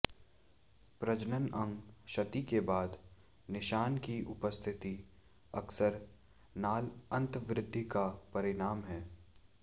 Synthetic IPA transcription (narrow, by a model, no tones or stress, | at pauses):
pɾɐd͡ʒnənɐ̃ŋɡʃɐt̪ikebaːd̪ | nɪʃaːnkiʔʊpəst̪ʰɪt̪i | ɐksəɾ | naːlɐ̃nt̪ʋɾɪd̪ʱːikapɐɾɪnaːmɦɛː